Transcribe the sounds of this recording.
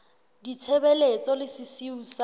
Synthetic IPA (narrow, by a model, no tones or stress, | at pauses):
dit͡sʰɛbɛlet͡sʼɔlɪsɪsiuːsa